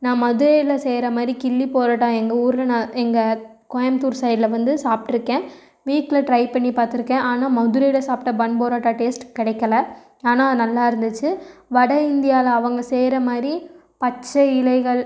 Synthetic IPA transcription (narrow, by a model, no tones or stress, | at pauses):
nãːmɐðɯɾɛjɪlɐseːɾɐmaːd̪ɾikɪlːipoːɾaːʈːaːɛŋɡɐuːɾɪlɐnãːɛŋɡɐ | kɔjɐmt̪uːɾsɐːjlɐʋɐnd̪ɯsaːpʈɪɾɯkːẽː | ʋiːʈɪlɐʈɾɐɪpɐɳːipaːɾt̪ɪɾɯkːẽːʔaːnaːmɐðɯɾɐjɪlɐsaːpʈːɐbɐɳpoːɾaːʈːaːʈeːsʈkɪɽɐɪkːɐlɐ | aːnaːnɐlːaːɪɾɯnd̪ɯt͡ʃːɯʋɐɽɐɪnd̪ɪjaːlɐɐʋɐŋɡɐseːɾɐmaːd̪ɾi | pɐt͡ʃːɐɪlɐɪɣɐɭ